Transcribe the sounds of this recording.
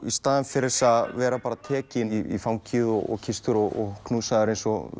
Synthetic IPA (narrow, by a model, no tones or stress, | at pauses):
ist̪aːðɪnfɪɾɪɾsaðvɛːɾapaɾat̪ʰɛːcɪifawŋcʰiðɔɣɔ̰ɣcʰɪst̪ʏɾɔɣɔɣkʰnuːsaðʏɾejnsɔ